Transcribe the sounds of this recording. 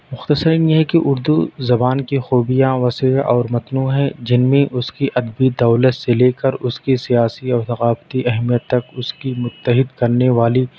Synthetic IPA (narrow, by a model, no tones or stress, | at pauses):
mʊxt̪əsəɾinjeɦɛkeʔʊɾd̪uzɐbaːnkixuːbijaʋɐsəjʔɔːɾmɐt̪nuːɦɛ̃d͡ʒɪnmẽʔʊskiʔɐd̪bid̪ɐːlət̪seleːkəɾʊskisijaːsiɔːɾt̪ɐɣaːbt̪iɐɦmijət̪ːɐkʊskimʊt̪ːəɦɪd̪kɐɾneʋaːli